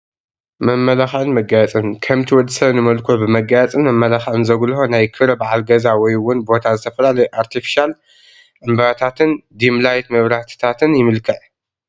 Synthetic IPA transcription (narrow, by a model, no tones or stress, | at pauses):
mɐmːɐlaxʕɨnmɐɡajat͡sʼɨnkʰɐmt̪ʰiwɔd̪ɨ̥sɐβnɨmɐlkʰobɨmɐɡajat͡sʼɨnmɐmːɐlaxʕɨnzɐɡlhonajkʰɨɾɐbaʕalɡɐzawɔjwʊnbo̞t̪ʰazɨt̪ʰɐfɐlalɐjʔaɾt̪ʰifi̥ʃal | ʔɨmbɐɾat̪ʰat̪ʰɨnd̪imlajt̪mɨβɾaħt̪ʰt̪ʰat̪ʰɨnjɪmɨlkʰɐʕ